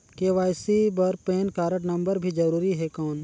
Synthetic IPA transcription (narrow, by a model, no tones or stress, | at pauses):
keːʋaːjsibɐɾpeːnkaːɾəʈnɐ̃mbəɾbʱid͡ʒɐɾuːɾiɦɛkaːn